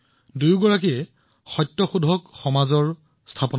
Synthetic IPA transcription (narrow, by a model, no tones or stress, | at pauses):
dujɡɔɹak̬ijɛ | xɔjtːɔxudʱɔkxɔmazɔɹ | stʰapɔn